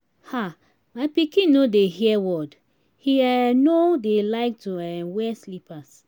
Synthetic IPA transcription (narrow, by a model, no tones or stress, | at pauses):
ha | maɪpikĩnnodehiɛwɔd | hiɛnodelaɪk̚tuɛmwɛslipas